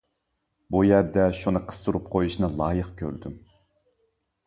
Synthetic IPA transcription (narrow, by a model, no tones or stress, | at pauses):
bujæɾd̪ɛʃunɨqʰə̥st̪ʰuɾup̚qʰojuʃnɨlˠɑːjəqkʲʰø̰ɾd̪ym